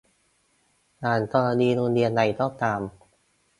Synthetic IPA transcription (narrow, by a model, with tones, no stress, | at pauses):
ʔaː˨˩nt̪ʰɔː˧laː˧niː˧ɾu˧nli˧ənda˨˧˩jt̪ʰɔː˥˩p̚t̪aː˧˩m